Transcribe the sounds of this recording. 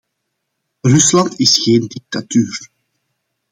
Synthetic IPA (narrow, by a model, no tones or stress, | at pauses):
rʏslɑntɪsxeːndik̚t̪atyːr